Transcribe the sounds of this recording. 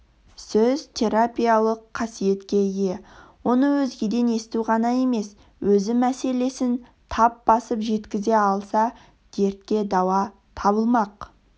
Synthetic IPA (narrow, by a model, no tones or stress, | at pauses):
sɵzt̪ʰe̞ɾapʲijalˠəqʰːɑsije̞t̪kʲe̞je̞wo̞nəwɵzɡʲed̪e̞ne̞st̪uʁɑnɑje̞me̞s | wɵzɪmæse̞le̞sɪn | t̪ʰɑp̚b̥ɑsəpʒe̞t̪kʲɪze̞ɑlˠsɑ | d̪̥ʲe̞ɾt̪kʲe̞d̪ɑwɑ | t̪ʰɑβəlˠmɑq